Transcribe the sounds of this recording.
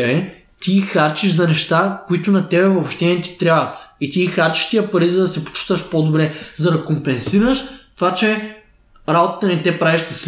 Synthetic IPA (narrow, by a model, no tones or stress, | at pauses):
bɛ | t̪ixaɾt͡ʃiʒzɐnɛʃt̪akʊit̪ʊnɐt̪ɛbɛvopʃt̪ɛnɛt̪i̥t̪ɾʲjabvɐət̪it̪iːxaɾt͡ʃi̥ʃt̪iəpɐɾizɐd̪ɐsɛpo̥t͡ʃi̥t̪ɐʃpod̪obɾɛzɐd̪ɐkompɛnsiɾəʃt̪ovat͡ʃɛ | ɾabot̪ət̪ɐnit̪ɛpɾaviʃt̪ɐs